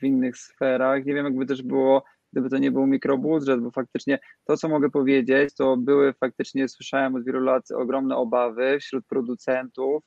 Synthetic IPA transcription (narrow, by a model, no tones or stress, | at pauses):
vʲinːɘxsfɛɾaxɲevʲjɛmjaɡbɘt̪̬ɛʐbɘwɔ | ɡ̚d̪ɘbɘt̪ɔɲɛbɘwmʲikɾɔbud̪ʐɛt̪̚bɔfak̚t̪ɘt͡ʂɲɛt̪ɔt̪sɔmɔɡɛpɔvʲjed͡ʑet͡ɕt̪ɔbɘwɘfak̚t̪ɘt͡ʂɲɛswɘʂawɛmɔd̪vʲjelulat̪ɔ̰ɡɾɔmnɛɔbavɘfɕɾut̪̚pɾɔd̪ut̪sɛnt̪uf